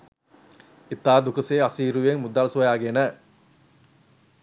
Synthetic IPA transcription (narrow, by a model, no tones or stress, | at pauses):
it̪aːd̪ukəseːasiːɾuʋeŋmud̪aːlsuʋɐjaːɡenə